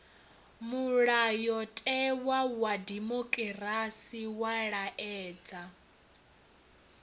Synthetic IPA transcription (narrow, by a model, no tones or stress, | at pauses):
muɺajɔtʼɛwawadimokʼɛrasiwaɺaʔɛːd͡za